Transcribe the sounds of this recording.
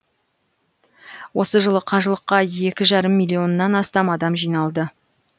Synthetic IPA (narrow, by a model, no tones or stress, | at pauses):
wo̞səʒəlˠəqʰɑʒəlˠəqːɑje̞kʲɪʒɑɾəmːijlʲːio̞nːɑnɑst̪ɑmɑd̪ɑmʒijnɑlˠd̪ə